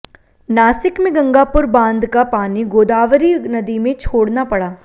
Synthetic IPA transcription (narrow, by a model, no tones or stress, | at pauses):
naːsɪkmẽɡɐ̃ŋɡaːpʊɾbãːnd̪kapaːniɡoːd̪aːʋɾinɐd̪imẽt͡ʃʰoːɽnapɐɽaː